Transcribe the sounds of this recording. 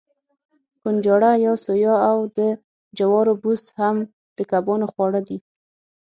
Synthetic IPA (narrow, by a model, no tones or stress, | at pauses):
kund͡ʒɑɽajɑsojɑawd̪ə | d͡ʒawɑɾobusham | d̪̥əkabɑnoxwɑɽəd̪i